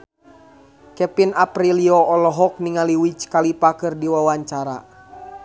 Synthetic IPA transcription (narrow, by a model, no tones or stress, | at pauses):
kɛpinapɾiliɔɔlɔɦɔk̚niŋaliwit͡ʃkalipakɨrdiwawaɲt͡ʃaɾa̰